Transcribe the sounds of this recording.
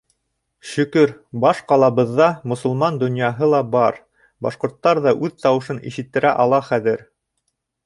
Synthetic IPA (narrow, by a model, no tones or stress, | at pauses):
ʃɵ̆kɵɾbɑʃqɑlˠɑβɤ̆ðːɑmŏsŏlˠmɑnd̪ŏnjɑɦɤlˠɑbɑɾ | bɑʃqŏɾt̪ːɑɾðɑʔʉðt̪ɑwɤ̆ʃɤnḭʃɘ̆t̪ːɘ̆ɾæʔɑlˠɑχæðɘɾ